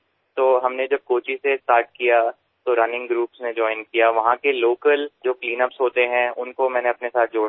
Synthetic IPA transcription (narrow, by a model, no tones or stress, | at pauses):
t̪oːɦɐmned͡ʒɐb̚koːt͡ʃisesʈaːɾʈ̚kija | t̪oɾɐnɪ̃ŋɡɡɾuːpsned͡ʒɔːɪnkijaʋɐɦãkeloːkəld͡ʒoːkliːnəpsɦoːt̪eɦɛ̃ʊnkomɛ̃ːneɐpnesaːt̪̚ʰd͡ʒoː